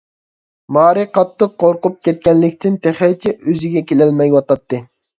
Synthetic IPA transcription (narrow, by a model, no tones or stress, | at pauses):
mɑːɾɨqʰɑt̪ːɨqːoɾqup̚kʲɛt̪̚kʲɛnːɪk̚ʲt̪ʰɪnt̪ʰɛχɛt͡ʃʰɛʔøzɪɡʲɛkʲelɛlmɛjwɑt̪ɑt̪ːɨ